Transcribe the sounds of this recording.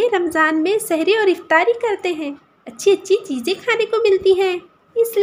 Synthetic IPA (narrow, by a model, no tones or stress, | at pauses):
eɾɐmzaːnmẽsɛɦɾeɔːɾɪft̪aːɾikɐɾt̪eɦɛ̃ː | ɐtːʃʰiɐtːʃʰit͡ʃiːzẽkʰaːnekomɪlt̪iɦɛ̃ː | ɪsli